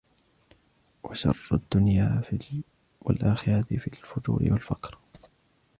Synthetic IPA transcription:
waʃɑ̰rˤːad̪ːʊnjaː | walʔaːxɪɾɑt̪ɪfiːlfʊd͡ʒuːɾɪ̰walfakɾ

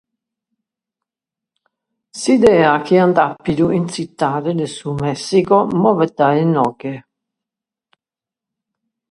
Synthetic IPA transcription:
sid̪ɛːakʰiant̪apːid̪uʔinsit̪ːaːd̪ed̪esumɛsːikomɔvɛd̪aenɔɡe

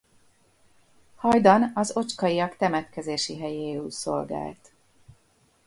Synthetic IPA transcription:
hɒjd̪ɒnɒzo̞t͡ʃkɒiɒkt̪ɛmɛt̪kɛzeːʃiɦɛjeːuːso̞̰lɡa̰ːlt̪

